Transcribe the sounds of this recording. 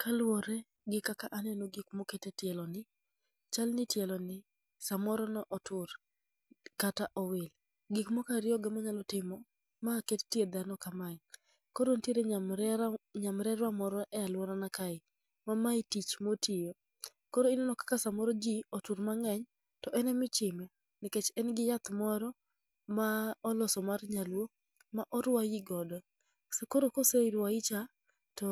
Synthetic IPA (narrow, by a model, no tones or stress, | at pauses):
kʰalwɔɾɛ | ɡɪkakaʔanɛnoɡikmoketetjɛlɔnɪ | t͡ʃalnɪtjɛlɔnɪ | samɔɾɔnɔʔɔtʊɾ | kataʔɔwɪl | ɡikmɔkaɾɪɔɡɛmaɲalɔtɪmɔ | makettjed̪anɔkamaɪ | kɔɾontjeɾe | ɲamɾɛɾwamɔɾɔʔɛalwɔɾanakaɪ | mamaɪtit͡ʃmotʰijo | koɾoinɛnɔkḁkasamɔɾɔd͡ʒiotuɾmaŋɛɲ | tɔʔɛnɛmɪt͡ʃɪmɛ | nɪket͡ʃɛnɡɪjat̪mɔɾɔ | maɔlɔsɔmarɲalwo | maʔɔɾwajiɡɔdɔ | sekoɾokoseiɾwaɪt͡ʃa | tɔ